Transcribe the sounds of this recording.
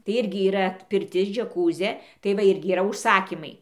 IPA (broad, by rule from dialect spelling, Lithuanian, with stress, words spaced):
tɐɪ ˈɪrʲɡʲɪ iːˈrɐ pʲɪrʲˈtʲɪs d͡ʒʲɛˈkuːzʲeː tɐɪ ˈʋɐ ˈɪrʲɡʲɪ iːˈrɐ ʊʃˈsɑːkʲiːmɐɪ